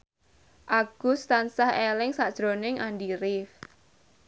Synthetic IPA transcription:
ʔaɡ̥ust̪ansahelɪŋsaʔd̥ʒ̥ɾonɪŋandiɾɪf

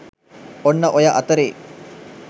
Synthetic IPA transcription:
onːɐʔojaʔɐt̪ɐɾeː

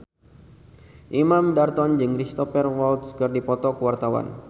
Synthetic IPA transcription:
ʔimamdart̪ɔnd͡ʒɨŋɾist̪ɔfɛrwalt̪skɨrdipɔt̪ɔkəwart̪awa̰n

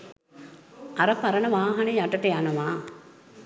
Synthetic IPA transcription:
ɐɾɐpɐɾɐnɐʋaːɦɐnejaʈɐʈɐjanɐʋaː

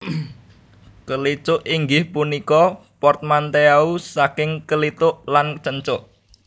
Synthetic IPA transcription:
kəlit͡ʃʊʔiŋɡɪhpunikɔpɔrt̪̚mant̪eausakɪŋkəlit̪ʊʔlant͡ʃəɲt͡ʃʊʔ

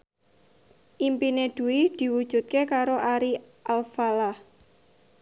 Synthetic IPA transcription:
ʔimpined̪̥uwid̪̥i̤wud̥ʒ̥ṳt̪̚kekaɾoʔaɾi | ʔalfalah

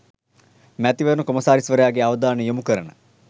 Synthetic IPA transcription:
mæt̪iʋɐnukomɐsaːɾisʋəɾejaːɡeaʋɐd̪aːnəjomukəɾənə̰

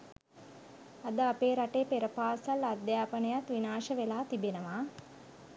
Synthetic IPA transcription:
ad̪əapeːɾaʈeːpeɾəpaːsalad̪jaːpənəjat̪ʋinaːʃəʋelaːt̪ibenəʋaː

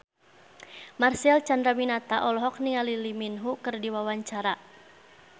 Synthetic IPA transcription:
marsɛlt͡ʃandɾaminat̪aʔɔlɔɦɔk̚nialiliminɦukɨrdiwawaɲt͡ʃaɾa

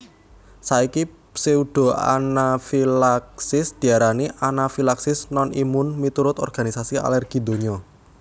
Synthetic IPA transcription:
saiki | pseuɖ̥o̤a̰nafilaksɪsd̪̥i̤aɾaniʔanafilaksɪsnɔnimʊnmit̪uɾʊt̪ɔ̰rɡ̥a̤nisasia̰lɛrɡ̥i̤d̪̥o̤ɲɔ

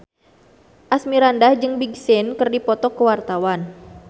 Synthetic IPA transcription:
ʔasmiɾandahd͡ʒɨŋbiɡsɪnkərdipɔt̪ɔkəwart̪awan

